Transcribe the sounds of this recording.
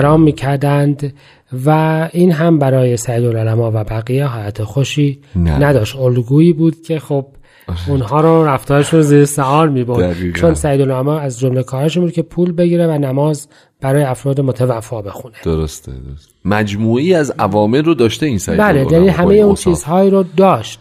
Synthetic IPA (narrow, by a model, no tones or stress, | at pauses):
ɾɒːmːiːcʰæɾd̪ænd̪ | væʔiːnɦæmbæɾɒːje̞sæjiːd̪ololæmɒːvæbæɣijeɦɒːlæt̪ʰexoʃiːnæd̪ɒːʃt̪olɡuːiːbuːd̪̥cʰe̞xob̥̚ | unɦɒːɾoɾæft̪ɒːɾeʃuziːɾesæɒːɾmiːboɾit͡ʃo̞nsæjiːd̪ololæmɒːæzd͡ʒomlekʰɒːɾeʃ̬imbud̪̚cʰʲe̞pʰuːlbe̞ɟiːɾevænæmɒːz | b̥æɾɒːjeæfɾɒːd̪emot̪ʰevæfːɒːbe̞xuned̥̪oɾost̪ḛd̪s | mæd͡ʒmuːʔiːæzævɒːmelrod̪ɒːʃt̪einsæ̰jbælejæniɦæmmejeunt͡ʃʰiːzhɒːiːɾod̪ɒːʃt̪